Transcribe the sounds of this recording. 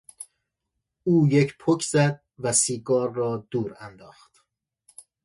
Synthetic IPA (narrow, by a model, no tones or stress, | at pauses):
uːjecʰpʰocʰzæd̪̚væsiːɡɒːɾːɒːd̪̥uːɾænd̪ɒːχt̪